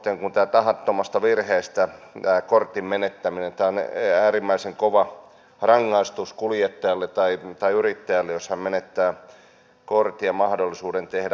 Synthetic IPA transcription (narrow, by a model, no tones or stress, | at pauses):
t̪eŋkunt̪æːt̪ɑhɑt̪ːomɑst̪ɑʋirheːst̪æt̪æːkort̪immenet̪ːæminent̪æːonæːrimːæiseŋkoʋɑ | rɑŋːɑist̪uskuljet̪ːɑjɑlːet̪ɑit̪ɑiyrit̪ːæjælːejoshɑmmenet̪ːæː | kort̪iɑmɑhdolːˑisuːdent̪ehdæ